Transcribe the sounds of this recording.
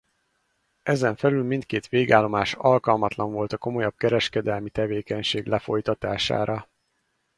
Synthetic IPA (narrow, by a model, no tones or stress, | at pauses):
ɛzɛɱfɛlylmint̪keːt̪ʋeːɡaːlːo̞maːʃɒlkɒlmɒt̪lɒɱvo̞lt̪ɒko̞mo̞jɒb̚kɛɾɛʃkɛd̪ɛlmit̪ɛveːkɛɲʃeːɡlɛfo̞jt̪ɒt̪aːʃa̰ːɾɒ